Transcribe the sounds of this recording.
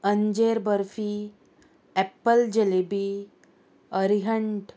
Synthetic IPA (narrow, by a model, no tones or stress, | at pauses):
əɲd͡ʑeɾbəɾfi | ɛpəld͡ʑelebi | əɾiɦəɳʈ